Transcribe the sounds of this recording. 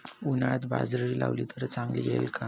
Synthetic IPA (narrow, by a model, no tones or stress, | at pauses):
unaɭat̪ba̰d͡zɾəɾila̰ʋlit̪əɾt͡saŋɡliːɡɛ̰lkʰa